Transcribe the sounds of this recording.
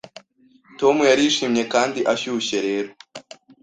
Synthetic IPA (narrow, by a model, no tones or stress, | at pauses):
to̞mujaɾiʃiːmɲe̞kaːndiʔaçuçeɾe̞ːɾo